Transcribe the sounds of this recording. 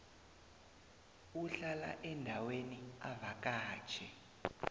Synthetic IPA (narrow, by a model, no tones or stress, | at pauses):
uɬala̰ʔɛndʱawenia̰vak̬ʼḁːt͡ʃʰɛ